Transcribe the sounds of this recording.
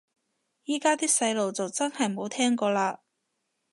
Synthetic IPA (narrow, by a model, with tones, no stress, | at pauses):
jiː˥kaː˥t̪iː˥k̚sɐ˨˧jlo˨wt͡sɐ˨wt͡sɐ˥nhɐ˨jmo˨˧wt̪ʰɛː˥ŋkɔː˧laː˧